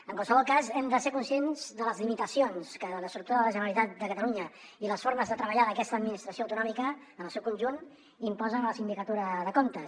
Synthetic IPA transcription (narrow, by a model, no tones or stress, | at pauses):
əŋkwalˠsəβɔlˠkazɛmd̪əseɾkunsienzðələzlimit̪əsionskələst̪ɾup̚t̪uɾəðələʒənəɾəlit̪at̪̚d̪əkət̪əluɲə | iləsfoɾməzðət̪ɾəβəʎaðəkɛst̪əːd̪minist̪ɾəsioəwt̪unɔmikəː | nəlˠsɛwkunʲʒun | impɔzənləsind̪ikət̪uɾəðəkomt̪ə